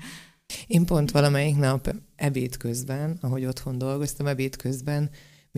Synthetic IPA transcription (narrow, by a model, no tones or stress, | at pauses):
eːmpo̞nt̪ʋɒlɒmɛjiknɒpɛbeːt̪kø̞zbɛnɒɦo̞ɟo̞t̪ho̞nd̪o̞lɡo̞st̪ɒmɛbeːt̪kø̞zbɛn | m